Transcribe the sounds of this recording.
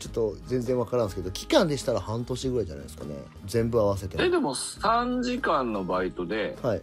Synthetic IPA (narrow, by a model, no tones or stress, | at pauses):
t͡ɕo̞t̪ːo̞zẽnzẽβakaɾãñsɨ̥ke̞d̪o̞kʲi̥kãnd̪e̞ɕi̥t̪aɾahãnt̪o̞ɕi̥t̪eɡɯɾaid͡ʑana̰id̪sɨ̥ka̰ne̞̰ | d͡zẽ̞mbɯaβase̞t̪e̞d̪ed̪emo̞sãɲd͡ʑikãnːo̞bait̪o̞d̪e̞hai